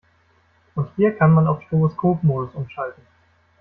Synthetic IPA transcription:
ʔʊnthiːɐkʰanmanaʊfʃtoʁoskʰoːpmoːdʊsʔʊmʃaltn̩

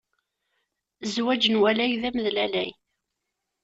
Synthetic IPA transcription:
zwæd͡ʒənwælæjðæməðlælæj

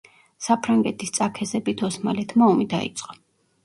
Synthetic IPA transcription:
sapʰɾaŋɡɛt̪ʰist̪sʼakʰɛzɛbit̪ʰɔsmalɛt̪ʰmaɔmid̪aḭt̪sʼqʼɔ

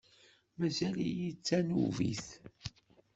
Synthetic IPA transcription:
mæzælijit͡sːænṵvḭθ

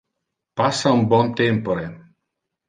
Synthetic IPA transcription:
pasambɔnt̪empɔɾe

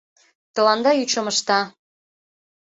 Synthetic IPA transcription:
t̪ɤ̆lɑnd̪ɑjyt͡ɕə̆mə̆ʃt̪ɑ

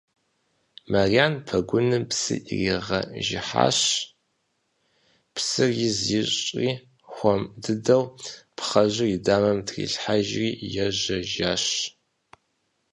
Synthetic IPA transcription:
marjaːnpʰɐɡʷʊnɨpsɨ̰ʔriʁɐ̰ʒɪ̰ħa̰ːɕ | psɨrjɪzɪɕʼiː | xʷɔmdɨdɐwpχɐʑɪridaːmɐmtʰrḭːɬħaʒriːjɛʒɐʒaːɕ

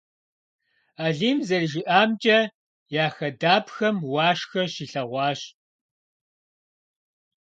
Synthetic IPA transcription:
aːɮiːmzɐrʒɪʔaːmt͡ʃʼɐ | jaːxɐdaːpxɐmwɑːʂxɐɕiːɬɐʁʷɑːɕ

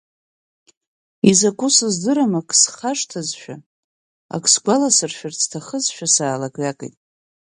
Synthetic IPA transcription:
izakʷʰusɨzdɨɾamakʰʼsχaʂtʰazʃᶣa̰ | a̰kʰʼsɡʷalasɨrʃᶣart͡sʰtʰaχəzʃᶣasaːlaɡʼakʼḛjtʼ

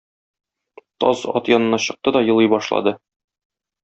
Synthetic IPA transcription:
t̪ɒzɒ̰t̪jɒnɤ̆nɑɕɤ̆q̚t̪ɤd̪ɒjɤ̆lˠɤjbɒʃlˠɑ̰d̪ɤ

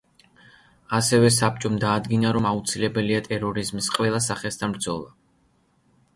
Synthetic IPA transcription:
asɛvɛsap̚t͡ʃʼɔmd̪aːd̪ɡinaɾɔmaut̪sʰilɛbɛliat̪ʼɛɾɔɾizmisqʼvɛlˠasaχɛst̪ʰanbɾd̪zɔlˠa

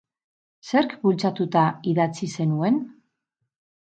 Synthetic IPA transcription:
se̞ɾkbult͡sat̪ut̪aiðat͡sise̞nue̞n

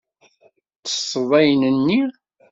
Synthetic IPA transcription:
t͡sə̥sˤːəðˤæjnənːi

